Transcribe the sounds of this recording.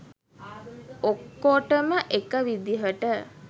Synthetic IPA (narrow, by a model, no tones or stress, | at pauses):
okːoʈəməʔekəʋid̪iɦəʈə